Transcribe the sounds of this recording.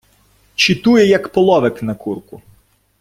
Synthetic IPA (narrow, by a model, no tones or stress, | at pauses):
t͡ʃit̪ujɛjɐkpɔlˠɔʋɪknɐkurkʊ